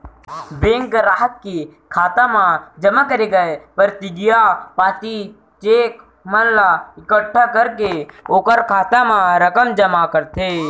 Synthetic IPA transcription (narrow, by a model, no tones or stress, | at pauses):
bẽːŋkɾaːɦət̪̚kekʰaːt̪amãd͡ʒəmakəɾeɡɐepəɾt̪ɪɡɪjapaːt̪i | t͡ʃeːk | mənlaɪkəʈʰːakəɾkeoːkəɾkʰaːt̪amãɾəkəmd͡ʒəmakəɾt̪eː